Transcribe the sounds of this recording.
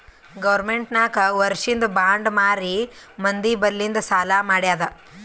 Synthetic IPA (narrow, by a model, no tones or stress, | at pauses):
ɡɐʋɐɾmeɳʈnaːkɐʋɐɾʂind̪ubaːɳɖmaːɾi | mɐnd̪ibɐlːind̪ɐsaːlaːmaːɽjaːd̪ɐ